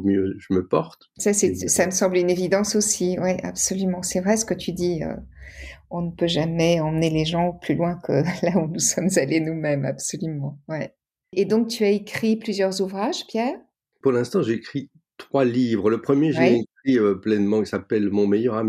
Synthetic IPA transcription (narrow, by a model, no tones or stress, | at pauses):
mjøʒəməpɔʁt̪sasɛsaməsɑ̃blynevid̪ɑ̃sosiwɛʔa̰bsɔlymɑ̃sɛvʁɛsə̥kət̪ʰyd̪iø̰ | ɔ̃nəpøʒamɛɑ̃məneleʒɑ̃plylwɛ̃kʰəlaunusɔmzalenumɛma̰bsɔlymɑ̃wɛ | ed̪ɔ̃k̚t̪ʰyaekχiplyzjœʁzuvʁaʒpjɛːʁ | puʁlɛ̃st̪ɑ̃ʒeːkχi | t̪χwalivʁləpχəmjeʒeɛɛkχiøplɛnmɑ̃ki̥sapɛlmɔ̃mejœʁam